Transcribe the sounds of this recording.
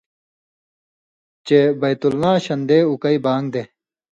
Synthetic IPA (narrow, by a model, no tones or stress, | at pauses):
t͡ɕebɐjt̪ulnãːɕɐnd̪eːukɐibaːŋɡd̪eː